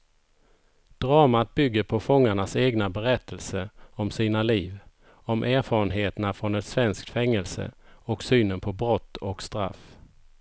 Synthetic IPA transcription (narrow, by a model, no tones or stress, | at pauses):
d̪̥ɾɑːmat̪̚bʏɡːəɾpʰɔfɔŋːaɳaseːɡnabɛɾɛt̪ʰːəlsəɔmsiːnaliːv | ɔmʔæːɾfɑːɾənɦeːt̪ənafɾɔnɛt̪svɛnskt̪fɛŋːəlsə̰ɔksyːnənpʰɔbɾɔt̪ːɔkst̪ɾa̰f